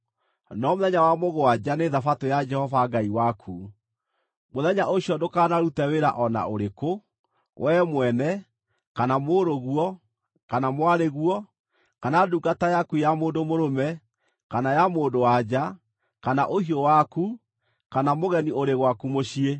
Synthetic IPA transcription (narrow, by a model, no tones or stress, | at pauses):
nɔmoðɛɲawamoɣoad͡ʒaneðafatojad͡ʒɛhɔvaɡaiwakʰu | moðɛɲaʔoɕjɔdokaːnaɾutɛweɾa̰ʔɔna̰oɾeko | wʔɛmwɛnɛ | kanamoːɾoɣwɔ | kanamwaɾeɣwɔ | kanaduːɡatajakujamoːndomoɾomɛ | kanajamoːndowad͡ʒa | kanaʔohiowaku | kanamoɣɛnioɾeɣwakumoɕie